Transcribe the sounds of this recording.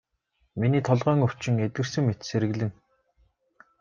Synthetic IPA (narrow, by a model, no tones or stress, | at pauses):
miniːt̪ʰɔɮʁœːŋɵw̥t͡ɕɪ̆ŋet̪̚ɡɘ̆rsɘ̆ŋmet̪seɾɘ̆ɣɮɘ̆ŋ